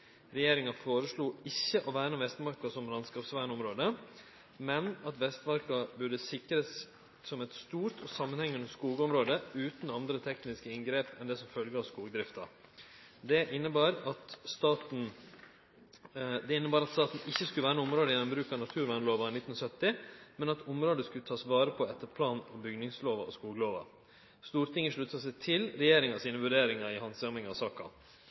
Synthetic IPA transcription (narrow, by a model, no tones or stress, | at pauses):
ɾɛjeːɾɪŋɑfoːɾəsɭuːɪçːəʔɔʋæːɾənʋɛst̪mɑɾkɑsɔmlɑnskɑːpsʋæːɳɔmɾoːd̪ə | mɛnɑt̪ʋɛst̪mɑɾkɑbʉɖəsɪkɾəs | sɔmɛt̪st̪uːɾʈ̪ɔsɑmːənhɛŋːʉnəskuːɡəɔmɾoːd̪əʉːt̪n̩ɑnd̪ɾət̪ʰɛknɪskəɪŋɡɾeːpɛnd̪ɛsɔmfœlɡəɑʋskuːɡəd̪ɾɪft̪ɑ̰ | d̪ɛʔɪnːəbɑːɾɑt̪st̪ɑːt̪n̩ | d̪ɛɪnːəbɑːɾɑt̪st̪ɑːt̪n̩ɪçːəskʉləʋæːɾnʊmɾoːd̪əɪjɛnɔmbɾʉːkɑnɑt̪ʰʉːɾʋæɪnloːʋɑɪnɪt̪ːnsœt̪ːɪmɛnɑt̪ʊmɾoːd̪əskʉlət̪ʰɑːsʋɑːɾəpʰɔɛt̪ːəɾpʰlɑːnɔbʏɡnɪŋsloːʋɑ̰ɔskuːɡəloːʋɑ̰ | st̪uːɾt̪ʰɪŋːəʂɭʉt̪ːɑsɛɪt̪ʰɪlɾɛjeːɾɪŋɑsiːnəʋʉɖeːɾɪŋɑɪhɑnsɑmɪŋɑɔsɑːkɑ̰